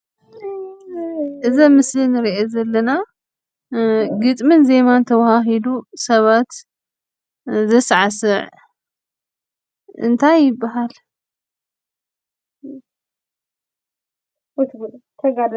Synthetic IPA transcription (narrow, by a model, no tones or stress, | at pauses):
ʔɨzɐmɨslinɨɾiʔezɐlːɐna | ɡɨt̪ʼmɨnze̞mant̪ʰɐwahaɦid̪usɐβat̪ | zɐsʕasɨʕ | ʔɨ̰nt̪ʰajːɪbːaɦal | ɐt̪ʰɡlt̪ʰɐɡad